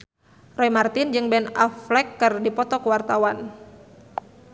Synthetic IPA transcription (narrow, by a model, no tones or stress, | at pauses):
rɔimart̪ɪnd͡ʒɨŋbɛnaflɛkːɨrdipɔt̪ɔkəwart̪awan